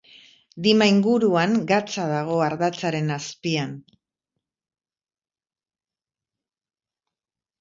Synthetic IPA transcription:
d̪imaiŋɡuɾuaŋɡat͡saðaɣ̞o̞aɾðat͡saɾe̞naspian

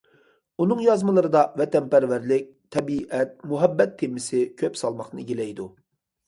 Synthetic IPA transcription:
unɨŋjɑzmɨlˠɨɾɨd̪ɑvɛt̪ɛnpæɾvæɾlɪk̚ʲt̪ʰːɛbiʔɛt̪̚muɦɛbːɛt̪ʰːemɪsɪkʲʰøpsɑlˠmɑχnɨɡʲelɛjd̪u

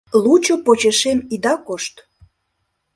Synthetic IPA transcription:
lut͡ɕopot͡ɕeʃemid̪ɑkoʃt̪

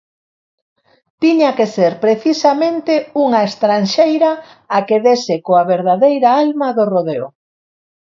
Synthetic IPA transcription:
t̪iɲakeseɾpɾeθisamẽnt̪euŋaest̪ɾanʃejɾa | akeðesekoaβeɾðaðejɾaalmaðoroðeo̰

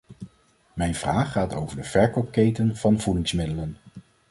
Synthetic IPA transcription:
mɛjnv̥raːχːaːto̰wvəɹdəv̥ɛɹkɔkejtənv̥ɑnvudɪŋsmɪdələn

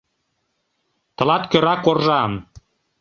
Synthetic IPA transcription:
t̪ɤ̆lɑt̪køɾɑkorʒɑm

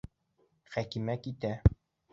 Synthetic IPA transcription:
χækimækit̪æ

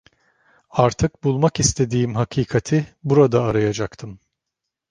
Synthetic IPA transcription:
aɾt̪ʰɯk̚bulˠmakist̪ʰe̞d̪iːmɦakʰiːkʰat̪ʰibuɾad̪aːɾajad͡ʒakt̪ʰɯm

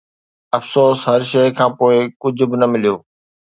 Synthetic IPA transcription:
ɐfsoːsɦɐɾʃɐjkʰãːpoːɪkʊd͡ʑʱʊ̆bɪnɐmɪlijoː

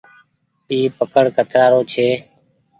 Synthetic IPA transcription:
iːpəkəɽkʰət̪ʰɾaːɾoːt͡ʃʰeː

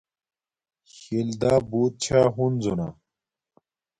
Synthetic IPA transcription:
ɕeld̪aːboːt̪̚t͡ɕʰaːɦunzona

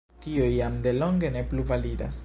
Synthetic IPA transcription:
tiujamde̞lo̞ŋɡe̞ne̞pluvalida̰s

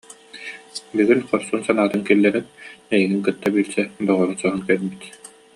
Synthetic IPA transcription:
biɡilχɔɾsuːnsanaːt̪ɯnkilːɛɾinɛjiɡiŋkɯt̪ːabiːɾsɛd̪ɔʁɔɾusɔɦɔnkɛɾbit̪

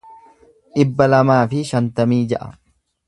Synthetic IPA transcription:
ʔɪbːɐlɐmaːfɪʃɐnt̪ɐmiːd͡ʒɐʔɐ̰

